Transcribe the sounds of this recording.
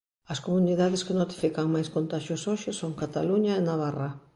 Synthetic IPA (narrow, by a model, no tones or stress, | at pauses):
ɐskomuniðaðɪskɪnot̪i̥fikɐŋmajskont̪aʃjosoʃɪsoŋkat̪aluɲaenaβara